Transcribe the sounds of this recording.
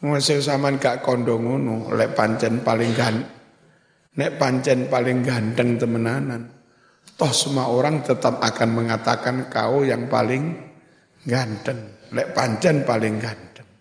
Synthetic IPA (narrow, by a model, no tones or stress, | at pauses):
ŋasis̬amankaʔkɔndɔŋunulɛ̰ʔpaɲt͡ʃɛnpalɪŋɡa | nɛʔpaɲt͡ʃɛnpalɪŋɡant̪əŋt̪əmənanan | t̪ɔhsumaoɾaŋt̪ət̪ap̚akanməŋat̪a̰kanka̰ujaŋpa̰lɪŋ | ɡant̪əŋlɛʔpaɲt͡ʃɛnpalɪŋɡant̪əŋ